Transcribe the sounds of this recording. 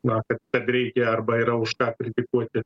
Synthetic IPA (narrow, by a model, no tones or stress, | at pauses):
nɐkɐt̪̚kɐt̪ɾʲɛɪkʲɛɐrbɐɪɾɐʊʃkɑːkɾʲɪt̪ʲɪkuɔt̪ʲɪ